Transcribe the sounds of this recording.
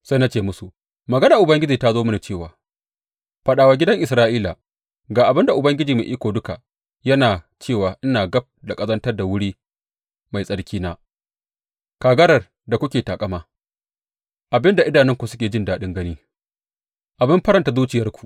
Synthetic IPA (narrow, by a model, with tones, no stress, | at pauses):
sa˦jna˦t͡ʃeː˦mʊ˦su˨ʔ | mɐ˨ɡɐ˦naː˨ʔʊ˨bɐ˦ŋɡʲɪ˦d͡ʒiː˨ta˦zoː˦mɐ˦na˨t͡ʃeː˦˨waː˨ | ɸɐ˨ɗaː˨wa˨ɡʲɪ˦dɐ˦ŋʔɪ˨sɾaː˦ʔiː˦la̰˨ | ɡaː˨ʔa˨bɪ˦nda˨ʔʊ˨bɐ˦ŋɡʲɪ˦d͡ʒiː˨mḛ˨ʔiː˦kʷoː˨dʊ˦ka˨ | jɐ˦naː˨ | t͡ʃeː˦˨waː˨ʔɪ˦naː˨ɡɐ˦p̚da˨kʼɐ˦zɐ˦ntɐ˦rda˨wʊ˦ɽiː˦ | ma˨jsʼɐ˦ɽkʲiː˦naː˦ | kaː˨ɡɐ˦ɾɐ˨r | da˨kʷʊ˦kʲeː˨taː˨kʼɐ˦maː˨ | ʔa˨bɪ˦nda˨ʔɪ˦daː˨nɪ˦ŋkʷu˨sʊ˦kʲeː˨d͡ʒɪ˦ndaː˦ɗɪ˦ŋɡɐ˦niː˦ | ʔa˨bɪ˦mɸɐ˦ɾɐ˨nta˨zuː˦t͡ʃɪ˨jɐ˦rkʷu̥˨ʔ